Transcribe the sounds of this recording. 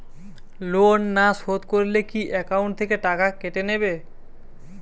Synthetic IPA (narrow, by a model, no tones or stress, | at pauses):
lonːashot̪koɾilekiʔɛkawɳʈ̚t̪ʰːekeʈakakeʈenebe